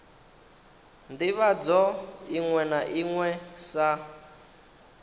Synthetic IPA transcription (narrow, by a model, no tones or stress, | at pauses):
ndiβad͡zɔiŋwɛnaʔiŋwɛsa